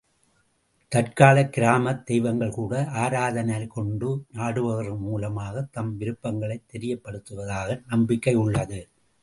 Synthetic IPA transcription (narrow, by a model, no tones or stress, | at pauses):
t̪ɐrkaːlɐkːɪɾaːmɐt̪ːɛjʋɐŋɡɐɭkuːɽɐʔaːɾaːðɐnɐlkɔɳɖɯnaːɽɯʋɐɣrɐmuːlɐmaːɣɐt̪ːɐmʋɪɾɯpːɐŋɡɐɭɐɪt̪ːɛɾɪjɐpːɐɽɯt̪ːɯʋɐðaːɣɐnɐmbɪkːɐɪʊɭːɐðɯ